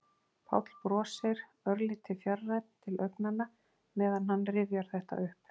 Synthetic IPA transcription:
pʰa̰wt̪l̥pɾɔːsɪɾ | œɾlɪt̪ʰːɪfjarːajt̪̚n̥t̪ʰɪlœɥknanːa | mɛːðanhanːrɪvjaɾ̥θɛht̪a̰ʔʏhp

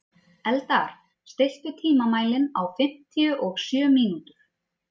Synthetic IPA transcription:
ɛlt̪aɾ̥ | st̪ɪjl̥t̪ʏt̪ʰiːmamaːjlɪnawfɪm̥t̪ʰiʏʔɔɣsjœːmiːnut̪ʏɾ̥

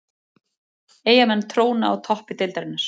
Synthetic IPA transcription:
eːjamɛnːt̪ʰɾoːwnaːwt̪ʰɔhpɪt̪ɪjlt̪aɾɪnːaɾ̥

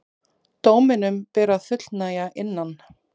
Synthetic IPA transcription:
t̪oːwmɪnʏmpɛːɾaðfʏt̪l̥najaʔɪnːan

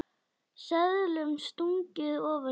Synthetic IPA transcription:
sɛðlʏmst̪uŋcɪðɔːva

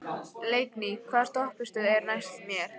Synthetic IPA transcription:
lejknikʰvaːɾ̥t̪ɔhpɪst̪ʏðɛɾnajst̪mjɛɾ̥

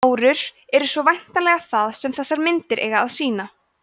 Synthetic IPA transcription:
wɾʏɾ̥ɛɾʏsvɔvajn̥t̪alɛɣaθaðsɛmθɛsːaɾmɪnt̪ɪɾʔḛːjɣaaðsiːna

